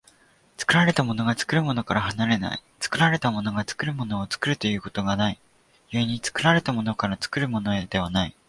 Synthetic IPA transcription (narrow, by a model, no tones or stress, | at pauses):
t͡sɨ̥kɯ̟ɾaɾe̞t̪amo̞no̞ɡat͡sɨ̥kɯ̟ɾɯ̟mo̞no̞kaɾahanaɾe̞na̰ḭt͡sɨ̥kɯ̟ɾaɾe̞t̪amo̞no̞ɡat͡sɨ̥kɯ̟ɾɯ̟mo̞no̞ːt͡sɨ̥kɯ̟ɾɯ̟t̪o̞jɯ̟ːko̞̥t̪o̞ɡanai | jɯeɲ̟it͡sɨ̥kɯ̟ɾaɾe̞t̪amo̞no̞kaɾat͡sɨ̥kɯ̟ɾɯ̟mo̞no̞ed̪e̞β̞anai